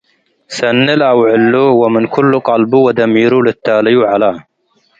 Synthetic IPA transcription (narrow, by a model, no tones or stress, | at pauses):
sɐnːɪlʔɐwʕɪlːuwamɪnkʰʊlːqɑlbuwad̪ɐmiːɾulɪt̪ːaːlɪjuʕalaː